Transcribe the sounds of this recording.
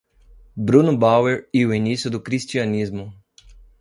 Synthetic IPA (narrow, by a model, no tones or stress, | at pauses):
bɾunʊbaweɾiʊinisjʊd̪ʊkɾist͡ʃiɐnizmʊ